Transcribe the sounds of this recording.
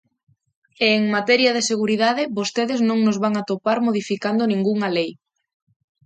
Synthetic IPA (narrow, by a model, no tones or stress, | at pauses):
eŋmat̪ɛɾjaðeseɣ̞uɾiðaðɪβost̪eðɪznõŋnozβaŋat̪opaɾmoðifikand̪onĩŋɡuŋalej